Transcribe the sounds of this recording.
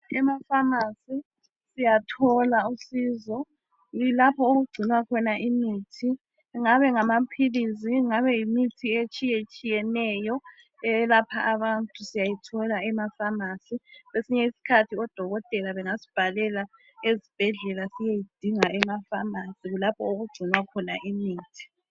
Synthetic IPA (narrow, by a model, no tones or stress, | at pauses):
ɛmafamasi | sijatʰɔlausiːzɔ | lapʰɔoɣuɡ͡ǀʱinwakʰɔnaʔimitʰi | ŋaβɛŋamapʰiliziŋaβɛjimitʰiet͡ʃʼijet͡ʃʼijɛnɛjɔ | ɛlapʰaaβantʼusijajitʰɔlaɛmafamasiβesiɲɛisi̥kʰatʰiɔd̥ʱɔɣɔtʼɛlaβɛŋasi̥b̥ʱalɛla | ezib̥ʱɛɮɛlasijejid̥ʱiŋaʔɛmafamasiɣulapʰɔoɣuɡ͡ǀʱinwakʰɔnaʔimiːtʰi̥